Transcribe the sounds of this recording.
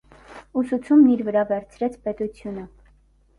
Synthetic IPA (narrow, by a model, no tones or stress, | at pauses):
usut͡sʰumniɾvəɾɑvɛɾt͡sʰɾɛt͡sʰpɛt̪ut͡sʰjunə